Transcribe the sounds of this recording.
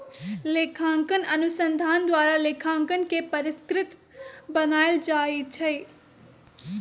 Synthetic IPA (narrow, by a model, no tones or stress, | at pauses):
leːkʰãːŋkənɐnʊsə̃nd̪ʱaːnd̪waːɾaleːkʰãːŋkən̆kepɐɾɪskɾɪt̪bɐnaːɪld͡ʒaːit͡ʃʰɐe